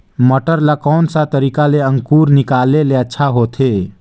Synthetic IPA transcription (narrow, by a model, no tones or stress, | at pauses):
məʈəɾlakɔːnsat̪əɾiːkaleə̃ŋkuːɾnɪkaːleleətːʃʰaɦot̪ʰe